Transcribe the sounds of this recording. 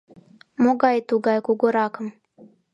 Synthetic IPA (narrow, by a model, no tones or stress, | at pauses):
moɡɑjt̪uɡɑjkuɡoɾɑkɤ̆m